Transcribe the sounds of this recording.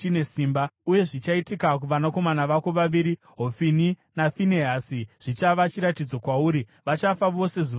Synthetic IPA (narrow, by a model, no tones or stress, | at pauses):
t͡ʃine̞siːmbauje̞ʐit͡ʃaitikak̬uʋanako̞manaʋako̞ʋaʋiːɾi | ɦo̞fininafineɦasiʐ̥it͡ʃaʋat͡ʃiɾatid͡zo̞kwauːɾiʋat͡ʃafaʋo̞se̞zi